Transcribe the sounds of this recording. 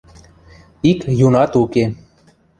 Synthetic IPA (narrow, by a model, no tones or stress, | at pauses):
ikjunat̪uke